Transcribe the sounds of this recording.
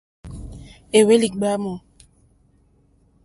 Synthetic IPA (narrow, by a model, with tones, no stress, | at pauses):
e˨we˦li˨k̚ɡ͡ba˦mo˨